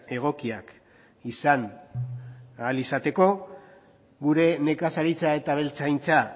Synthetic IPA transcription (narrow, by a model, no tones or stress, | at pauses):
e̞ɣ̞o̞kiak | isan | alisat̪e̞ko̞ | ɡuɾe̞ne̞kasaɾit͡sae̞t̪aβe̞lt͡sajnt͡sa